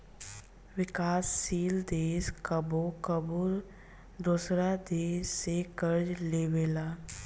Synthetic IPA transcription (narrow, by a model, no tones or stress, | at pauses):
ʋɪkaːsːiːld̪eːskəbokəbuɾ | d̪uːsɾad̪eːsːekəɾd͡ʒleːweːlaː